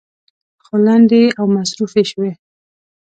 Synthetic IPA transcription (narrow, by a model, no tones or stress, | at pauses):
xoland̪eawmasɾufeʃwe